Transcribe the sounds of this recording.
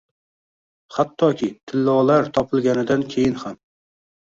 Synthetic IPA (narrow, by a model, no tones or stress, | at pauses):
χat̪ʰːɒkʲit̪ʰɪlːɒlˠaɾt̪ʰɒpʰɨlˠɡʲanɪd̪ankʲʰejɪnham